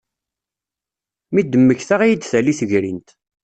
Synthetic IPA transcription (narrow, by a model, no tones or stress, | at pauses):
mid̪əmːəçθaʁijid̪θæliθəʝɾint̪